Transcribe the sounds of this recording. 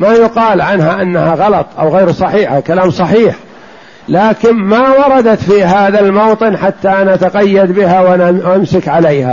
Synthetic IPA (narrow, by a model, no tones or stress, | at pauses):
majʊqɑːlʕanɦaʔanːahaɣɑlɑt̪ˤʔa̰wɣeːɾsˤɑħiːħakalaːmsˤɑħiːħ | laːkɪnmawɑɾˤɑd̪at̪fiːɦaːðalmowt̪ˤɨnħat̪ːaʔanat̪aqɑjːad̪bɪɦawaamsɪkʕalejha̰